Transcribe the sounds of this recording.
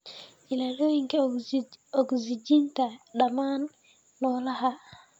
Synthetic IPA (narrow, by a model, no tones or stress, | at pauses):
ilaloiŋkɛ | ɔɡzid͡ʒintaɗamanː | ɔlaha